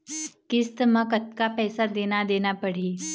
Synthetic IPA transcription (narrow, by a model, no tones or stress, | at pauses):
kɪst̪mɐ̃kɐt̪kapɛːsad̪eːnad̪eːnapɐɽ̤iː